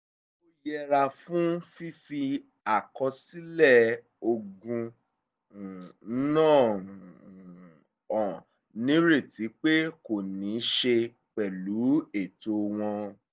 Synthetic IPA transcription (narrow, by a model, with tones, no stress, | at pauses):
o˦jɛ˧ɾa˧fũ˦fi˦fi˧ | a˨kɔ˧si˦lɛ˦˨ | o˧ɡũ˧˨˦ | nãː˦˨ | ɔ̃˨ | nĩ˨˦ɾe˦˨ti˨˦k͡pe˦ko˨nĩ˨˦ʃe˧ | k͡pɛ˨lu˨˦e˨to˧w̃ɔ̃˧